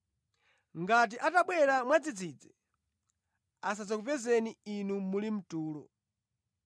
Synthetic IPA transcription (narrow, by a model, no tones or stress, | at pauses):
ŋɡat̬iʔataɓwɛɾamwad͡zid͡zid͡zɛ | as̬ad͡zɔkuvɛzɛniinumulim̩tuːlɔ̰